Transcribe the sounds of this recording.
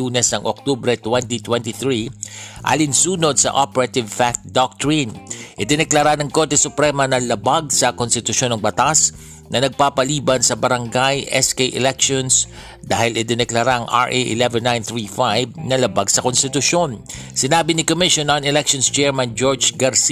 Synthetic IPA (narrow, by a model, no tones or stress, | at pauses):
uːnɛsnɐŋʔo̰k̚t̪obɾɛt̪wɛnt̪it̪wɛnt̪iθɹiʔa̰ːlɪnsuːnod̪̚sɐ̰ʔopɛɾɐt̪ɪvfak̚t̪̚d̪ok̚t̪ɹinʔɪd̪ɪnɛklɐɾanɐŋko̞ɾt̪ɛsʊpɾɛmɐnɐlɐbaɡ̚sɐkonst̪ɪt̪ʊʃo̞nɐŋbɐt̪as | nɐnɐɡ̚paːpɐliːbɐnsɐbɐɾɐŋɡajʔɛskejʔɛ̰lɛkʃons | d̪aːhɪlɪd̪ɪnɛklɐɾaʔɐŋʔa̰ɹʔeʔɪ̰lɛvɛnːãjnθɹifajb̚nɐlɐbaɡsɐkonst̪ɪt̪ʊʃo̞nsɪnaːbɪnɪkomɪʃonɐnɛlɛkʃonst͡ʃɛɹmɐnd͡ʒoɹd͡ʒɡɐɾsi